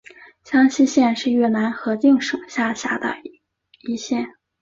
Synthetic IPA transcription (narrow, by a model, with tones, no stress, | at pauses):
ɕjɑ˥ŋɕi˥ɕjɛ˥˧nʂɻ̩˥˧ɥɛ˥˩na˧˥nxɤ˧˥t͡ɕi˥˩ŋʂo˨˩ŋɕja˥˩ɕja˥˩d̪ə̰˩ | i˧˥ɕjɛ˥˩n